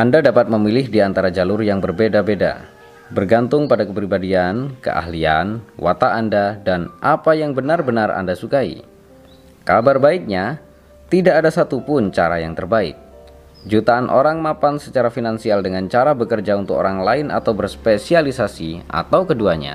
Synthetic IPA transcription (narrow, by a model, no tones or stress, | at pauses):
ʔandadapat̪̚məmilɪhdiant̪aɾad͡ʒalʊrjaŋbərbedabeda̰ | bərɡant̪ʊŋpadakəpɾibadiankə̰ʔa̰hlianwa̰t̪aːndadanʔapajaŋbənarbənara̰ndasukaḭ | kabarbaɪk̚ɲa | t̪idaʔːdasat̪upʊnt͡ʃaɾajaŋt̪ərbaɪ̰k̚ | d͡ʒut̪aːnʔo̰ɾaŋmapansət͡ʃaɾafinansialdəŋant͡ʃaɾabəkərd͡ʒaunt̪ʊko̰ɾaŋlaɪnʔa̰t̪awbərspesialisasiʔa̰t̪awkəduaɲa̰